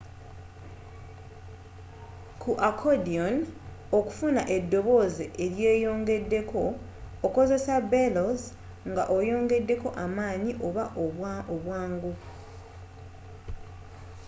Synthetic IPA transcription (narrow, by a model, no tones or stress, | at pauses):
kʰuʔakʰodion | oku̥funaʔe̞dːo̞βo̞zeʔeɾje̞ːjo̞ːŋɡe̞dːe̞kʰo̞ː | ko̞ze̞sabeloz | ŋɡaʔo̞jo̞ːŋɡe̞dːe̞ko̞ʔamaːɲiʔoβaʔoβwaːŋɡu